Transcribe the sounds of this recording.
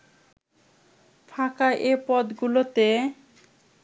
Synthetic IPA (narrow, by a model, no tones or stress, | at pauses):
fʰakaʔepɔd̪ɡulot̪e